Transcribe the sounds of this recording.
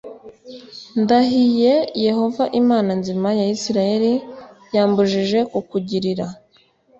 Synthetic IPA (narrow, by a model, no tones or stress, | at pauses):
ndaɦije̞je̞ho̞vaʔimaːnanzimajaisiɾaje̞ɾijaːmbuʒiʒe̞kukuɟiɾiɾa